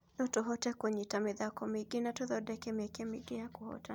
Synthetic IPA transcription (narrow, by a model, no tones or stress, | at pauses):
nɔtɔɦɔtɛkwɛɲitamiðakɔmiɡinatɔðɔɗɛkɛmɛkɛmiɡijakuhɔ̰ta